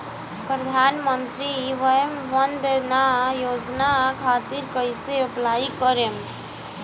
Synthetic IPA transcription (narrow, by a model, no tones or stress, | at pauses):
pɾəd̪ʱanmənt̪ɾiʋəjəmʋənd̪najod͡ʒnakʰat̪iɾkəjseuplaikəɾem